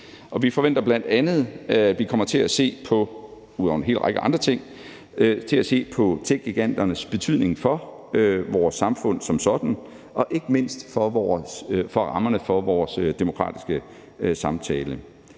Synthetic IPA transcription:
ʔɒ̽ʋifɒ̽ʋen̰d̥ɐb̥læn̰d̥ænð̞̩ˠʋikʰɒ̽m̰ɐt͡sʰe̝læse̝̰ːpʰɒ̽ | uðˠɒ̰ʊn̩ɦe̝̰ːlʁɑ̈ɡ̥əɑ̈nd̥ʁɐt͡sʰe̝ŋ̰ | t͡sʰe̝læse̝̰ːpʰɒ̽t͡sʰe̥ɡ̥iɡ̥æn̰d̥ɐnəsb̥e̝t͡sʰyð̰ˠne̝ŋfɒ̽ | ʋɒːsːɑ̈mfɔ̽n̰sɒ̽msɒ̽d̥n̩ | ʔɒ̽ʔe̝ɡ̥əme̝n̰sd̥fɒ̽ʋɒːsfɒ̽ʁɑ̈mɐnəfɒ̽ʋɒːsd̥emo̝kʰʁɑ̰̈ːd̥isɡ̥ə | sɑ̈mt͡sʰɛːlə

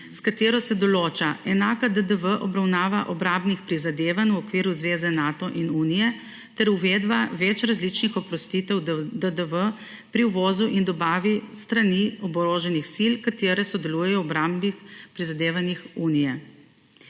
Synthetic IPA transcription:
skat̪eːɾɔsɛd̪ɔloːt͡ʃaɛnaːkad̪əd̪əʋəʔɔbɾawnaːʋaʔɔbɾambnixpɾizad̪eːʋanwɔkʋiːɾuzʋeːzɛnat̪ɔʔinuːnijɛ | t̪ɛɾuʋed̪baʋɛt͡ʃɾazlit͡ʃnixɔpɾɔst̪it̪ɛwd̪əd̪əʋə | pɾiwʋɔːzuʔind̪ɔbaːʋist̪ɾaniɔbɔɾoːʒɛnixsilkat̪eːɾɛsɔd̪ɛluːjɛjɔɔbɾambpɾizad̪eːʋanixunijɛ

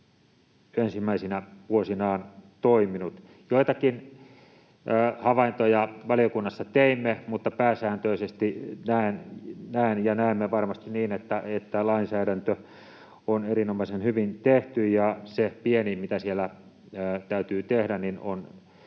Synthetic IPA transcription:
ensimːæisinæʋuosinɑːnt̪oiminut̪ | joit̪ɑkin | hɑʋɑint̪ojɑʋɑlijokunːɑsːɑt̪eimːemut̪ːɑpæːsæːnt̪øisest̪inæennæenjɑnæˑemːeʋɑrmɑst̪iniːnet̪ːæet̪ːælɑinsæːɾænt̪ø | onerinomɑisenhyʋint̪eht̪yjjɑsepienimit̪æsielːˑæː | t̪æyt̪yːt̪ehdænninon

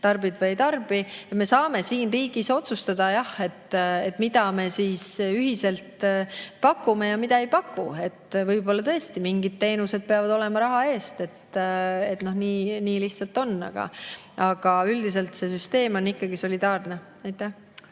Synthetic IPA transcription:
t̪ɑrbid̪vɤjt̪ɑrb̥ijɑme̞sɑːme̞siːnriːɡ̥iso̞t̪sust̪ɑd̪ɑjɑhe̞t̪ːet̪ːˑmid̪ɑme̞siːsyɦise̞lt̪pɑkːˑume̞jɑmid̪̥ɑe̞jpɑkːue̞t̪ːvɤjbo̞lːɑt̪ɤ̞est̪imiŋɡ̥id̪̥̚t̪e̞ːnuse̞d̪̥̚peɑvɑd̪o̞le̞mɑɾɑɦɑe̞ːst̪e̞t̪e̞t̪no̞hniːniːliçht̪sɑlt̪ːˑo̞nːɑ̰ɡ̥ɑ̰ | ʔɑɡ̥ɑyld̪is̬e̞lt̪se̞syst̪e̞ːmo̞nːikːɑɡiso̞lid̪ɑːrne̞ | ɑjt̪ːˑæh

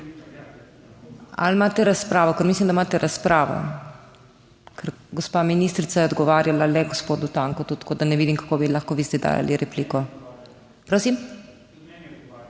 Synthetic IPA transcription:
a̰lmaːt̪ɛɾaspɾaːʋɔkəɾmislimd̪amaːt̪ɛɾʔaspɾaːʋɔ̰ | kʰəɾɡɔspaːminist̪ɾit̪sajɛɔd̪ɡɔʋaːɾjalalɛɡospoːd̪ut̪aːŋkɔt̪ut̪koːd̪anɛʋid̪imkḁkobilaxkoʋist̪ɛd̪a̰ːja̰liɾɛpliːkɔ | pɾoːsim

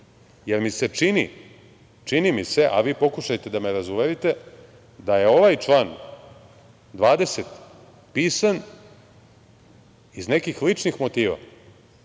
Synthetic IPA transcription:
je̞ɾmise̞t͡ʃini | t͡ʃinimise̞ʔa̰ʋiːpo̞kuʃajt̪e̞d̪ame̞ɾazuʋe̞ɾit̪e̞ | d̪aje̞o̞ʋajt͡ʃlˠaːn | d̪ʋaːd̪e̞set̪ | piːsan | izne̞kixlit͡ʂnixmo̞t̪iːʋa̰

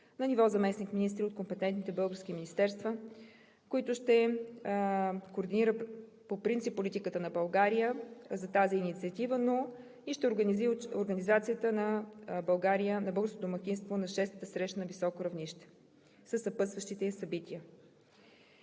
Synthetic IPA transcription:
nɐnivɔzɐmɛsnikminist̪ɾiot̪kompɛt̪ɛnt̪nit̪ɛbɤlˠɡəɾsk̟iminʲist̪ɛɾst̪və | koit̪ʊʃt̪ɛ | koːɾd̪iniɾə | popɾint̪sipːolit̪ikət̪ənɐbɐlˠɡaɾijəzɐt̪aziːnit̪siət̪ivəno | iʃt̪ɛoɾɡnizioɾɡənizat̪sijət̪ənɐbɐlˠɡaɾijənɐbɤlˠɡəɾskod̪omɐk̟ʲinst̪vonɐʃɛst̪t̪əsɾɛʃt̪ənɐvisɔkoɾɐvniʃt̪ɛ̥ | səsːɐpɤsvəʃt̪it̪ɛsɐbit̪iə

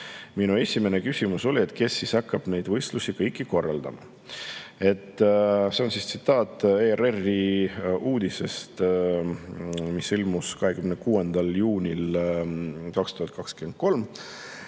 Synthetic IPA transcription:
minue̞sʲime̞nekysʲimuso̞lʲie̞t̪ˑke̞sːisɑkːɑb̥ne̞jd̪̥vɤjst̪lusikɤjkːˑiko̞rːɑ̰ld̪̥ɑ̰mɑ̰ | e̞t̪ːˑse̞o̞nsist̪sit̪ːˑɑːt̪ˑːererːiuːd̪̥ise̞st̪ | misilmuskɑɦe̞kymnekuːend̪̥ɑljuːnʲil | kɑkst̪uhɑt̪̚ːˑkɑkskyend̪̚ko̞lm

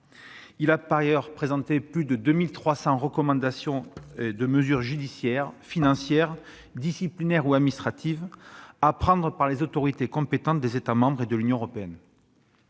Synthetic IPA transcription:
ilapaʁjœʁpχezɑ̃t̪eplyd̪əd̪ømilt̪χwasɑ̃ʁəkɔmɑ̃d̪asjɔ̃ed̪əməzyʁʒyd̪isjɛʁfinɑ̃sjɛʁ | d̪isiplinɛʁuad̪minist̪χat̪ʰivapχɑ̃d̪ʁəpaʁlezot̪ɔʁit̪ekɔ̃pet̪ɑ̃t̪̚d̪ezet̪amɑ̃bʁed̪əlynjɔ̃əʁɔpeɛn

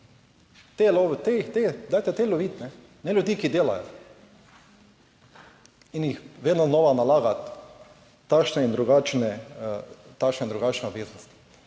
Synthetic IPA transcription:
t̪eloʋt̪et̪ed̪aːjt̪ɛt̪eːloʋiːt̪nɛ | nɛljud̪iːkid̪eːla̰jo | injixʋeːd̪noznoːʋanalaːɡat̪ː | akʃnɛind̪ɾuɡaːt͡ʃnɛ | t̪akʃnɛind̪ɾuɡaːt͡ʃnɛod̪ʋeːznɔst̪i̥

